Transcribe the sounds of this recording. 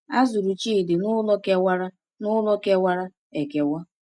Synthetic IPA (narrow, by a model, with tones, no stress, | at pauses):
a˦zʊ˨ɾu˨t͡ʃi˦˨dɪ˨nʊ˦lɔ˦ke˦wa˦ɾa˦ | nʊ˦lɔ˦ke˦wa˦ɾa˦ | e˨ke˨wɔ˦